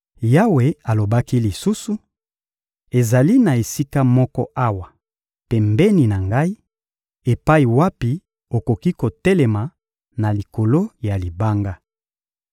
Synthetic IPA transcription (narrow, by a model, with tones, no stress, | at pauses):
ja˦we˨a˨lo˨ba˦ki˦li˨su˦su˨ | e˨za˨li˦na˨e˨si˦ka˦mɔ˦kɔ̰˦ʔa˦wa˨ | pɛ˨mbɛ˦ni˨na˨ŋɡa˦i˦ | e˨pa˦i˨wa˦pi˨ | o˨ko˨ki˦ko˨tɛ˦lɛ˨ma˨ | na˨li˨ko˨lo˦ja˨li˨ba˦ŋɡa˦